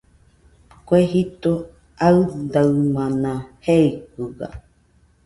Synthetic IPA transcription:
kʷeɦit̪o | aɯd̪aɨmãnãheikɨɡa̰

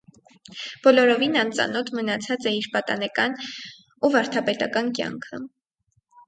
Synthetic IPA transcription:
b̥ɔlɔɾɔvinɑnt͡sɑ̰nɔt̪ʰmənɑt͡sʰɑt͡sɛiɾpɑt̪ɑ̰nɛkɑn | uvɑɾt̪ʰɑpɛt̪ɑ̰kɑnkjɑ̰ŋkʰə

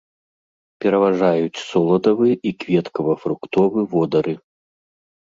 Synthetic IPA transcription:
pʲɛɾɐvaʐajut͡sʲsɔlˠɐd̪ɐvɨʔikvʲɛt̪kɐvɐfɾukt̪ɔvɨvɔd̪ɐɾɨ

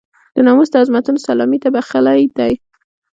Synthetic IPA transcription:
d̪̥ənɑmust̪aazmat̪unsalɔmit̪abaxalajd̪aj

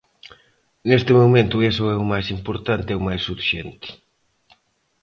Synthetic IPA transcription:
nest̪ɪmumẽnt̪ʊesoɛʊmajsimpoɾt̪ant̪ɪɛʊmajsːufʃent̪ɪ̥

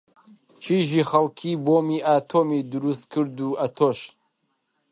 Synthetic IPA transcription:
t͡ʃʰiʒiːxɐlkʰiboːmiʔaːt̪ʰoːmid̪ɨɾust̪̚kʰɨɾd̪uʔɐt̪ʰoːʃ

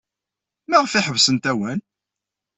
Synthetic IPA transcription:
mæʁfɪħəvsənt̪æwæn

